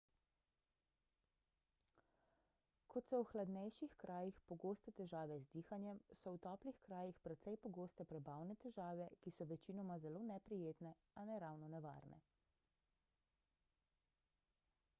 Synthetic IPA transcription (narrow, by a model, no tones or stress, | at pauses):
kɔt̪sɔwxlad̪nɛjʃixkɾʔaːjixpɔɡoːst̪ɛt̪ɛʒaːʋɛzd̪iːxanjɛmsɔwt̪ɔːplixkɾaːjixpɾɛt̪sɛjpɔɡoːst̪ɛpɾɛbaːwnɛt̪ɛʒaːʋɛkisɔʋɛt͡ʃinɔmazɛloːnɛpɾijeːt̪nɛ | anɛɾawnɔnɛʋa̰ːɾnɛ̰